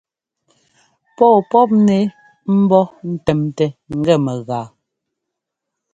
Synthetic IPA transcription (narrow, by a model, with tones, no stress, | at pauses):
pɔː˦˨pɔ˦p̚ne˨˦ | m̩˦bɔ˦n̩˦tɛ˨mtɛ˨ŋ̩˨ɡɛ˦˨mɛ˨ɣaː˨˦